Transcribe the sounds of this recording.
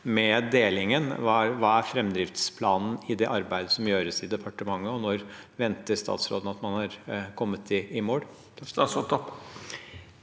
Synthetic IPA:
mɛd̪eːlɪŋənʋɑʋɑːæɾfɾɛmd̪ɾɪft̪spʰlɑːnn̩ɪd̪ɛʔɑɾbæɪd̪əsɔmjøːɾəsɪd̪ɛpʰɑʈəmɑŋːəɔnɔɾʋɛnt̪əɾst̪ɑ̰ːt̪sɾoːd̪ən̩ɑt̪mɑnhɑɾkʰɔmːət̪ʰɪːmoːɽ | sɔt̪ɔpː

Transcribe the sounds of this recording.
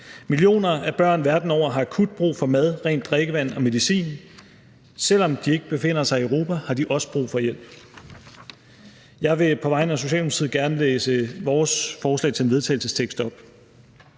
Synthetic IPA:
milijo̝̰ːnɐæb̥ɶɐ̰nʋæɐd̥n̩ɒʊ̰ɐɦɑ̈ækʰud̥̚b̥ʁṵːfɒ̽mæð̞ˠʁɛ̰ːnd̥ːʁeɡ̥əʋæn̰ɒ̽me̝ð̞ˠisḭːn | sel̰ɒ̽md̥ie̝ɡ̥əb̥e̝fe̝n̰ɐsɑ̈ɪiəʁo̝ːpʰæhɑ̈d̥iʔɒ̽sə̥b̥ʁṵːfɒ̽jel̰b̥ | jɑ̈ɪʋe̝pʰɒ̽ʋɑ̈ɪnəæso̝ɕɛ̰ːldmu̥sʰið̰̩ˠɡ̥æɐnəleːsəʋɒːsfɒːslɛ̰ɪt͡sʰe̝lenʋe̝ð̞ˠt͡sʰɛ̰ɪl̩səst͡sʰeɡ̥sd̥ɒ̽b̥

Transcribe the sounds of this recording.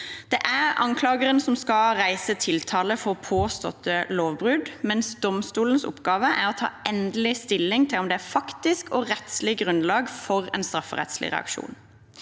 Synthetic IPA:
d̪̥ɛʔæʁɑ̰ŋkʰlɑːɡəʁənsɔmskɑʁæɪsət̪ʰɪlt̪ʰɑːləfɔʁpʰoːst̪ɔ̰t̪ʰːəloːʋbʁʉd̪mɛnsd̪ɔmst̪uːlənsɔ̰pːɡɑːʋəʔæʁɔt̪ʰɑ̰ːɛnd̪əlɪst̪ɪlːɪŋt̪ʰɪlɔmd̪ɛæfɑkt̪ɪskɔʁɛt̪slɪɡʁʉnlɑːɡfɔʁɛ̰nst̪ɾɑfːə̰ʁɛ̰t̪slɪ̰ʁɛ̰ɑ̰kʃṵːn

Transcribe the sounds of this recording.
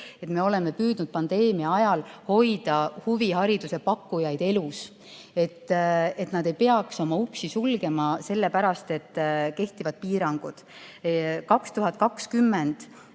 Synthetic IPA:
e̞t̪me̞o̞leme̞pyːd̪̥nud̥̪̚pɑnd̪̥e̞ːmiɑɑjɑlho̞jd̪̥ɑhuviɦɑɾid̪use̞pɑkːujɑjd̪̥e̞lus | e̞t̪ːe̞t̪nɑd̪̥e̞jpe̞ɑkso̞mɑuksisulɡ̥e̞mɑse̞lːe̞pæɾɑst̪e̞t̪ːke̞ht̪ivɑd̪̥̚piːɾɑŋɡ̥ud̪̥ | kɑkst̪uɦɑt̪̚kɑkskymːend̪̥

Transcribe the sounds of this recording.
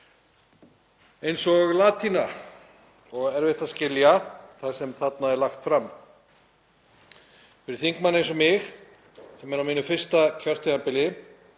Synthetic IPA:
ejnsɔɣlaːt̪ʰina | ɔɣɛɾveht̪ascɪljaθaðsɛmθat̪̚naðɛɾlaxt̪fɾamː | fɪɾɪɾ̥θiŋkmanejns̬ɔmɪx | sɛmɛɾawmiːnʏfɪr̥st̪acʰœr̥t̪ɪɣampɪlɪ

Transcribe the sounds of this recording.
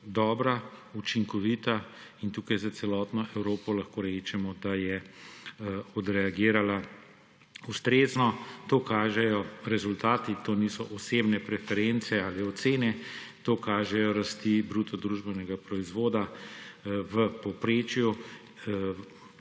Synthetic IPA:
d̪ɔːbɾa | ut͡ʃiŋkɔʋiːt̪aint̪uːkajzat̪sɛlɔːt̪nɔʔɛwɾoːpɔlɐxkoːɾɛːt͡ʃɛmɔd̪ajɛ | ɔd̪ɾɛaɡiːɾala | ust̪ɾeːznɔt̪oːkaːʒɛjɔɾɛzult̪aːt̪it̪oːnisɔʔɔseːbnɛpɾɛfɛɾent̪sɛaːliɔt̪seːnɛ | t̪oːkaːʒɛjɔɾast̪ibɾut̪ɔd̪ɾuʒbɛnɛɡapɾɔizʋoːd̪a | ʋəpɔpɾeːt͡ʃju

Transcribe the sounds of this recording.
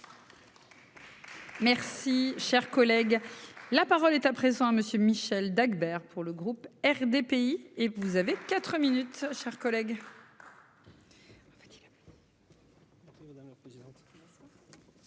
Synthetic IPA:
mɛʁsiʃɛʁkɔlɛɡlapaʁɔlɛt̪apχezɑ̃aməsjømiʃɛld̪aɡbɛʁpʰuʁləɡʁupɛʁd̪epeievuzavekat̪χəminyt̪ʃɛʁkɔlɛɡ | fɛ̥t̪ilp | d̪̃

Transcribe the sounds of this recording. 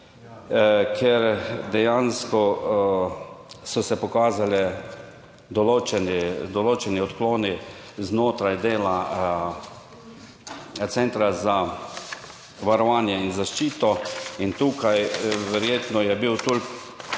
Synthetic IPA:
kʰɛɾd̪ɛjanskɔ | sɔsɛpɔkaːzalɛ | d̪ɔloːt͡ʃɛnɛd̪ɔloːt͡ʃɛniɔt̪kloːni | znoːt̪ɾajd̪eːla | t̪sɛnt̪ɾaza | ʋaɾɔʋaːnjɛinzaʃt͡ʃiːt̪ɔint̪uːkajʋɛɾjeːt̪nɔjɛbiwt̪ol

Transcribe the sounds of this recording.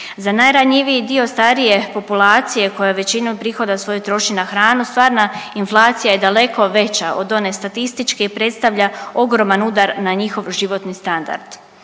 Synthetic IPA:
zanajɾaɲiʋiid̪io̞st̪aɾije̞po̞pulˠaːt̪sije̞ko̞jaʋe̞t͡ɕinupɾixo̞d̪asʋo̞jut̪ɾo̞ʃinaxɾaːnust̪ʋaːɾnainflˠaːt̪sijaje̞d̪ale̞kʰo̞ʋe̞t͡ɕaʔo̞d̪o̞ne̞st̪at̪ist̪it͡ʃke̞ipɾe̞t̪st̪aʋʎao̞ɡɾo̞manud̪aɾnaɲixo̞ʋʒiʋo̞t̪nist̪and̪a̰ɾd̪̥

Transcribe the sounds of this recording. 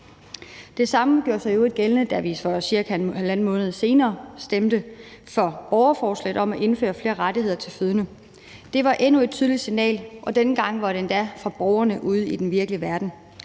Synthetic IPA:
d̥e̝sɑ̈məɡ̥jo̝ɐ̰sɑ̈ɪjoe̝d̥̚ɡ̥elnəd̥æʋifɒsiɐkʰælænmɔ̽ːnəð̞ˠse̝ːnɐːsd̥emd̥əfɒ̽b̥ɒʊɐfɒːslɛ̰ɪð̩ˠɒ̽mæʔe̝nfø̰ːɐfle̝ːɐʁɑdihe̝ð̞̰ˠɐt͡sʰe̝lføð̞ˠnə | d̥e̝ʋɑ̈ʔenue̝d̥̚t͡sʰyːð̞ˠlisinɛ̰ːlʔɒ̽d̥enəɡ̥ɑ̈ŋ̰ʋɑ̈ɾend̥æfʁɑ̈b̥ɒʊɐnəʔuð̞̰ˠid̥enʋiɐɡ̥əliʋæɐd̥n̩

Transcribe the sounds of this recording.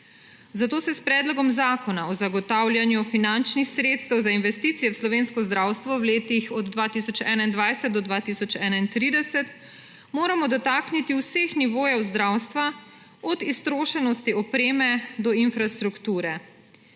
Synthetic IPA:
zat̪oːsɛspɾɛːd̪lɔɡɔmzaːkɔnaɔzaɡɔt̪aːwlʲjanjufinant͡ʃnixsɾet̪st̪ɛwzainʋɛst̪iːt̪sijɛwslɔʋeːnskɔzd̪ɾaːwst̪ʋɔwleːt̪ixɔd̪ːʋaːt̪isɔt͡ʃɛːnaind̪ʋajsɛt̪̚d̪ɔd̪ʋaːt̪isɔt͡ʃɛːnaint̪ɾiːd̪ɛsɛt̪ | moːɾamɔd̪ɔt̪aːknit̪iwsexniʋoːjɛwzd̪ɾawst̪ʋa | ɔd̪ist̪ɾoːʃɛnɔst̪iɔpɾeːmɛd̪ɔinfɾast̪ɾukt̪uːɾɛ

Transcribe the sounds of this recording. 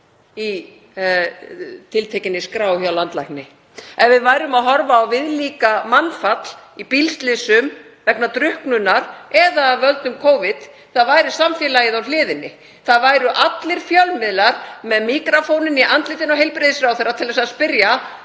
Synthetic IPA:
i | t̪ʰɪlt̪ʰejcɪnːɪskɾaːwhaawlant̪lajknɪ | ɛnvɪðvaːjɾʏmaðɦɔɾvaːwvɪðliːkamanfat̪l̥ipilst̪lɪsʏmvɛknat̪ɾʏhknʏnːaɾɛðavœlt̪nʏmkʰoːwvɪt̪ | θaðvaːjɾɪsamfjɛːlajɪðawlɪːðɪnːɪ | θaðvaːjɾʏʔat̪lɪɾ̥fjœlmɪðlaɾmɛðmiːkɾafownɪniʔant̪lɪːt̪ɪnɔɦejlpɾɪðɪsɾawθejrːat̪ʰɪlvɛsaðspɪɾja

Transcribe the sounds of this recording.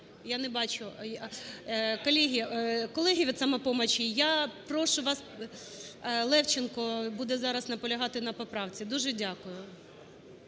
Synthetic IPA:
janɛbɑt͡ʃʊ | kɔlʲiɦʲikɔlˠɛɦʲiʋʲid̪sɐmɛpɔmɐt͡ʃʲijapɾɔʃʊʋɑs | lˠɛwt͡ʃɪnkɔbud̪ɛzɑɾɐznɐpɔlʲɐɦɑt̪ɪnɐpɐpɾɑwt͡sʲid̪uʒɛdʲakʊjʊ

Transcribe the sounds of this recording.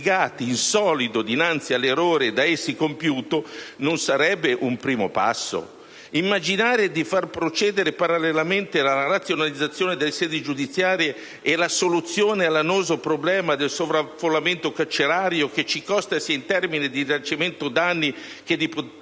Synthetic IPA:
ɡaːt̪iːnsɔːlid̪od̪inant̪sialːeroːɾed̪aesːikompjuːt̪ononsaɾɛbːeʔumpɾiːmopa̰sːo̰ | imːad͡ʒinaːɾed̪ifarpɾot͡ʃɛːd̪eɾepaɾalːelament̪elaaɾat̪sːjonalid̪zːat̪sːjoːned̪elːesɛːd̪id͡ʒud̪it̪sːjaːɾjeː | lasolut̪sːjoːnealːanoːzopɾoblɛːmad̪elsovɾafːolːament̪okat͡ʃeɾaːɾjok̟et͡ʃːikɔst̪asiaint̪ɛrminid̪izant͡ʃiment̪od̪anːi | k̟ed̪ip

